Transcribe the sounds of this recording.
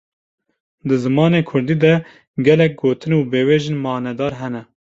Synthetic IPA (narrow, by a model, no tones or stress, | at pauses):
d̪ɨzɨmɑːneːkʰʊɾd̪iːd̪ɛ | ɡɛlɛk̚ɡoːt̪ʰɨnuːbeːweːʒɪnmɑːnɛd̪ɑːɾɦɛnɛ